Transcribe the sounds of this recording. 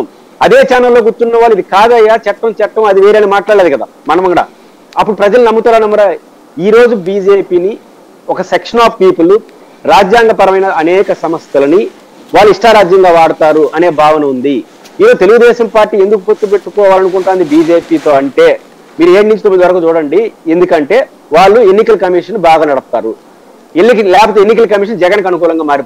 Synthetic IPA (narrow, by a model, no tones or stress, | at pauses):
m | ɐd̪e̞ːt͡ʃaːnɐlːo̞ːɡuɾt̪ːunːɐʋaːlːid̪ikaːd̪ɐjaːt͡ʃɐʈːɐmt͡ʃɛʈːɐmɐd̪iʋeːɾenimaːʈlaːɽaeːd̪ukɐd̪a̰ːmɐnɐmɐŋɡɐɽa̰ː | ɐpːuɽupɾɐd͡ʒɐlunɐmːut̪aːɾɐnɐmːɐɾa | iːɾo̞ːd͡ʒubiːd͡ʒeːpiːni | ɔkɐsekʂɐnaːppiːpulu | ɾaːd͡ʒjaːŋɡɐpɐɾɐmɐjnɐɐnɛːkɐsɐmɐst̪ɐlɐni | ʋaːɭːuiʂʈaːɾaːd͡ʒjɐŋɡaːʋaːɽut̪aːɾuʔɐne̞ːbʱaːʋɐnɐund̪i | iːɾoːut̪̬e̞luɡud̪ɛːʃɐmpaːɾʈːiːend̪ukupot̪ːupe̞ʈːukɔːʋaːlɐnukuɳʈaːnd̪ibiːd͡ʒe̞ːpiːt̪o̞ːɐɳʈe̞ː | miːɾueːʈinĩɲt͡ʃit̪omːid̪iʋɐɾɐkuːt͡ʃuːɽɐɳɖiend̪ukɐɳʈe̞ː | ʋaːɭːue̞nːikɐlɐkɐmiːʂɐnːubʱaːɡaːnɐɽɐp̚t̪a̰ːɾṵ | eːiklɛːpot̪eenːikɐlɐkɐmiːʂ̬ɐnd͡ʒɛɡɐnkɐnukuːlɐŋɡaːmaːɾip